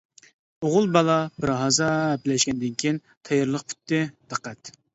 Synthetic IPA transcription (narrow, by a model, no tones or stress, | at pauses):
oʁʊlˠbɑlˠɑbɪɾɦɑzɑɛpɪlɛʃkʲɛnd̪ɪnkʲʰiin | t̪ʰɑjɑɾlˠəq̚pʰy̥t̪ːɪd̪̥æqæt̪